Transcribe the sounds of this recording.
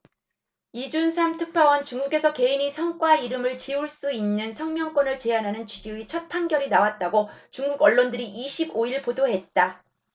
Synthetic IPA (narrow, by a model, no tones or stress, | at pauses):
id͡ʑunsʰamtʰɯk̚pʰawʌnt͡ɕuŋɡuɡe̞sʰʌke̞inisʰʌŋk͈waiɾɯmɯɭt͡ɕiuɭs͈uinːɯnsʰʌŋmjʌŋk͈wʌnɯɭt͡ɕe̞anɦanɯnt͡ɕid͡ʑiit͡ɕʰʌt̚pʰaŋɡjʌɾinawat̚t͈aɡot͡ɕuŋɡuɡʌɭːondɯɾiʔiɕʰiboiɭpodoɦe̞t̚t͈a